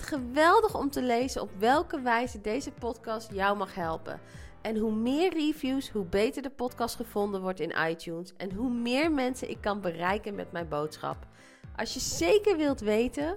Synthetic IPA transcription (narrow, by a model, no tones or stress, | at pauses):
tχəʋɛlˠdəχɔmtəlejzənɔpʋɛlˠkəʋɛjzədejzəpɔtkɑstjɑwmɑχɦɛlˠpə̰n | ʔɛnɦumɪːɹrivjusɦubejtəɹdəpɔtkɑstχəv̥ɔndənʋɔɹtɪnʔɑ̰jtjunsɛnɦumɪːɹmɛnsənʔɪ̰kːɑnbərɛjkənmɛ̰tmɛjnbowtsχɑ̰p | ʔɑ̰sjəz̥ejkəɹʋɪlˠtʋejtən